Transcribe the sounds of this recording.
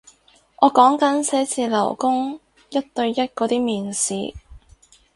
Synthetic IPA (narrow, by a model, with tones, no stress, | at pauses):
ʔɔː˨˧kɔː˨˥ŋkɐ˨˥nsɛː˨˥t͡siː˧lɐ˨˩wkʊ˥ŋ | jɐ˥t̚t̪ɵ˧ɥjɐ˥t̚kɔː˨˧˥t̪iː˥miː˨˩nsiː˨˧